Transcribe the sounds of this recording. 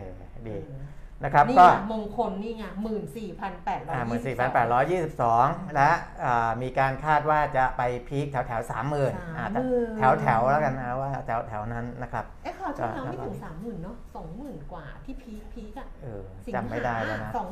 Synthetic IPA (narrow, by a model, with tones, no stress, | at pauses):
eː˧˩ | diː˧na˦˥kʰɾa˦˥pːkɔː˥˩mo˧ŋkʰo˧nːiː˥˩ŋa˥˩mɯː˨˩nsiː˨˩pʰa˧npɛː˨˩t̪̚ɾɔː˧aː˦˧˩mmɯː˨˩nsiː˨˩pʰa˧npɛː˨t̪̚ɾɔː˦˥jːiː˥˩si˨˩p̚sɔː˩˦ŋlɛ˦˥ʔ | ʔɤː˨˩miː˧kaː˧nkʰaː˥˩t̪̚waː˥˩t͡ɕa˨˩pa˧jpʰiː˦˥k̪̚ʰɛ˩˦wt̪ʰɛ˩˦wsaː˩˦mːɯː˨˩nʔaː˨˩a˨˧t̪ʰɛ˩˦wt̪ʰɛ˩˦wlɛ˦˥ka˧nːa˦˥waː˥˩t̪ʰɛ˩˦wt̪ʰɛ˩˦wna˦˥nːa˦˥kʰɾa˦˥p̚ːkɔː˧˥˩saː˩˦mːɯː˨˩nːɔ˦˥sɔː˩˦ŋmɯː˨˩nkwaː˨˩t̪ʰiː˥˩pʰiː˦˥k̚pʰiː˦˥k̚a˧˩ʔɯː˨˩t͡ɕa˨˩mma˥˩jdaː˥˩jlɛ˦˥wna˦˥˨